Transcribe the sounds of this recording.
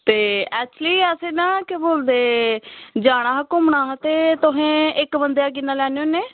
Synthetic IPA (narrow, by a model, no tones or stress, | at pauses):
t̪eːɛːt͡ʃliːɛseːnãːkeboːld̪eː | d͡ʒaːɽ̃aːɦkʊmɳaːt̪eːt̪ʊɦẽːɪkbənd̪ejaːk̬ɪnːãːlɛːɽ̃eoːneː